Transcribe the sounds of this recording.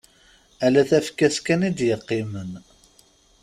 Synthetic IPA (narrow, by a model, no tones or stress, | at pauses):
ælæθæfkæskænid̪jəqːimən